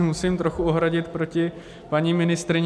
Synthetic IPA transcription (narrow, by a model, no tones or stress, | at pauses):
musiːmt̪ɾoxuoɦɾaɟɪt̪pɾo̞cɪ | paɲimɪnɪst̪ɾɪɲ